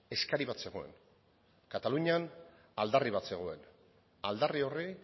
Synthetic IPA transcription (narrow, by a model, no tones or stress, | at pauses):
e̞skaɾiβat̪se̞ɣ̞o̞e̞̰n | kat̪aluɲan | ald̪ariβat̪se̞ɣ̞o̞e̞n | ald̪ario̞ri